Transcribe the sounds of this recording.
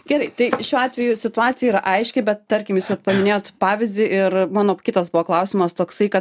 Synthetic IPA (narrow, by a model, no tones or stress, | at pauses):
ɡʲɛɾɐɪt̪ɐɪʃʲuːɑːt̪ʲʋʲɛjusʲɪt̪ʊɑːt̪t͡ssʲɪjɛiɾɐʔɐɪʃʲkʲɪbʲɛt̪t̪ɐɾʲkʲɪmjuːsʲot̪pɐmʲɪnʲeːjoːt̪pɑːʋʲɪzʲd̪ʲɪʔɪrmɑːnoːkʲɪt̪ɐsbʊʋoːklˠɐʊsʲimɐst̪oːksɐɪkɐt̪